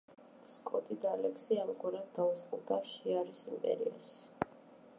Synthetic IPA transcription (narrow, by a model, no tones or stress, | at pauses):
skʼɔt̪ʼid̪alɛksiamɡwaɾad̪d̪ausqʼuɾd̪aʃiaɾisimpʼɛ̰ɾḭa̰ʃ